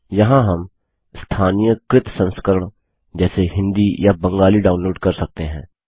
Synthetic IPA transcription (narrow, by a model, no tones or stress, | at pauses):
jɐɦãɦɐm | st̪ʰaːnijəkɾɪt̪sə̃nskəɾəɽ̃ | d͡ʒɛːseɦɪ̃nd̪ijabə̃ŋɡaːliɖaːunloːɖkɐɾsɐk̚t̪eɦɛ̰̃ː